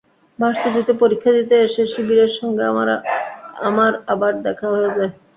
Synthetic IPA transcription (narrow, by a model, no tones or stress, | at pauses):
baɾsad̪it̪epoɾikʰːad̪it̪eʃeʃibiɾeɾʃɔŋɡea̰a̰ɾ̰ | amaɾabaɾd̪ɛkʰaɦojed͡ʑae